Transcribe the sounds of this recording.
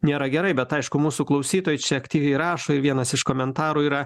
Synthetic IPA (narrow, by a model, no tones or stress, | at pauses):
nʲeːɾɐɡʲɛɾɐɪbʲɛt̪ɐɪʃkʊmuːsuklˠɐʊsʲiːt̪oːjt͡ʃʲɛɐkt̪ʲiːʋʲɛɪɾɑːʃoːɪɾʋʲiɛnɐsɪʃkoːmʲɛnt̪ɑːɾuːiːɾɐ